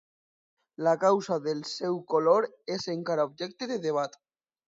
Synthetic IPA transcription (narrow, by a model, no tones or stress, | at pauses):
lakawsaðelsewkoloɾ | eseŋkaɾaobd͡ʒek̚t̪eðeðeβ̞at̪